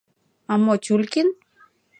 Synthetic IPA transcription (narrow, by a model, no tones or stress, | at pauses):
amɔt͡ʃulkin